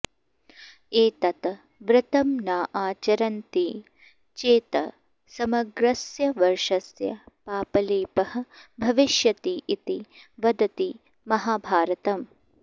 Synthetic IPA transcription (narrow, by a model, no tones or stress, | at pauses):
eːt̪ɐt̪ɐ | ʋɾɪt̪ɐmnaːʔaːt͡ʃɐɾɐnt̪i | t͡ʃeːt̪ɐ̰ | sɐmɐɡɾɐsjɐʋɐɾʂɐsjɐ̰paːpɐleːpɐhɐ̆bʱɐʋiʃjɐt̪iʔit̪iʋɐd̪ɐt̪i | mɐɦaːbʱaːɾɐt̪ɐm